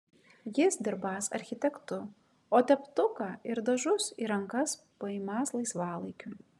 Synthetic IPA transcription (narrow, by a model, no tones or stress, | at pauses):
jɪsd̪ʲɪɾbɑːsɐ̰ɾʲxʲɪt̪ʲɛkt̪ʊ | oːt̪ʲɛpt̪ʊkɑːɪɾd̪ɐʒʊsḭːɾɐŋkɐspɐɪːmɑːslˠɐɪsʋɑːlˠɐɪkʲʊ